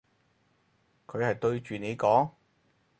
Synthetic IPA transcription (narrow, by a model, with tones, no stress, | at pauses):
kʰɵ˨˧ɥhɐ˨jt̪ɵ˧ɥt͡ʃyː˨ne˨˧jkɔː˨˥ŋ